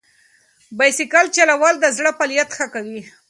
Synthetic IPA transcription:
bajsikalt͡ʃalawald̪əzɽəpaljat̪xəkawi

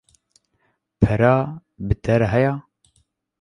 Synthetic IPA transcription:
pʰɛɾɑː | bɨt̪ʰɛɾɦɛjɑː

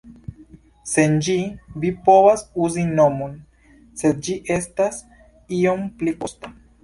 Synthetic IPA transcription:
se̞nd͡ʒivipo̞vasuzino̞mo̞n | se̞d̪̚d͡ʒiʔe̞stas | io̞mpliko̞sta

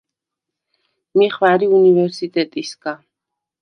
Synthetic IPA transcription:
miχvaɾiunivɛɾsit̪ʼɛt̪ʼisɡa

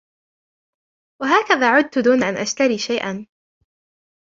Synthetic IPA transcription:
waɦaːkaðaːʕʊd̪̚t̪ʊd̪uːnaʔanʔaʃt̪aɾiːʃajʔan

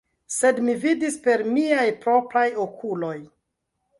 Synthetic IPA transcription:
se̞dmividispe̞ɾmiajpɾo̞pɾajokʰulo̞j

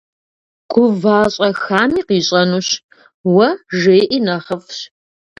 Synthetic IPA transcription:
ɡ̥ʷʊvaːɕʼɐxaːmiːqiːɕʼɐnuːɕ | wɐʒeːʔiːnɐχɐfɕ

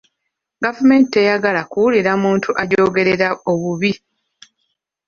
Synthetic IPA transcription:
ɡavume̞ːnte̞jaɡalakuwuliɾamuːntʰuʔaɟo̞ːɡe̞ɾe̞ɾao̞βuβi

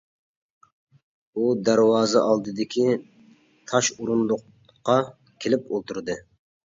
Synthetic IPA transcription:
ud̪æɾwɑːzɨʔɑlˠd̪ɨd̪ɪkʲi | t̪ʰɑʃuɾunlˠʊqː | ɑ | kʲʰelɪpolˠt̪ʰuɾd̪ɨ

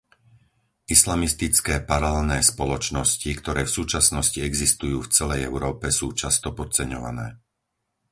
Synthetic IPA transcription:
ʔislamist̪it͡skɛːpaɾaɛlnɛːspɔlɔt͡ʃnɔscikt̪ɔɾɛːfsuːt͡ʃasnɔsciɛɡzist̪ujuːft͡sɛlɛjɛʊɾɔːpɛsuːt͡ʃast̪ɔpɔt͡sɛɲɔʋa̰nɛː

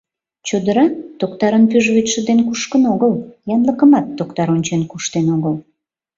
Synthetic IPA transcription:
t͡ɕod̪əɾɑt̪ok̚t̪ɑɾənpyʒβyt̪ʲʃəd̪enkuʃkənoɣəljɑnləkəmɑt̪ːokt̪ɑɾonʲt͡ɕenkuʃt̪enoɣəl

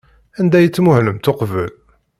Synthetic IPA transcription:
ænd̪æjət͡sːmʊhləmt̪oqvə̰l

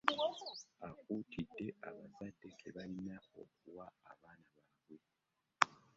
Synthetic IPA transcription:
akutʰidːe̞ʔaβazadːe̞keβalinao̞̰k̚uwa̰ːβaːnaβaːβwe̞

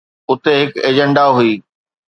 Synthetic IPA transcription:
ʊt̪eɦɪkeːd͡ʑə̃ɳɖaɦʊiː

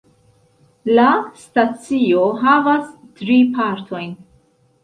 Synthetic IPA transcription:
lastat͡sio̞ɦavas | tɾipaɾtʰo̞jn

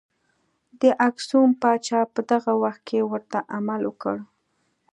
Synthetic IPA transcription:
d̪əʔaksumpɑt͡ʃɑpəd̪aɣawaxt̪̚kʰewəɾt̪aʔamalwəkə̰ɽ

